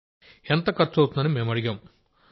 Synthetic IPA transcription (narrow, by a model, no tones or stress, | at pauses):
ent̪ɐkɐɾt͡ʃːɐwt̪und̪ɐnimeːmɐɽiɡaːm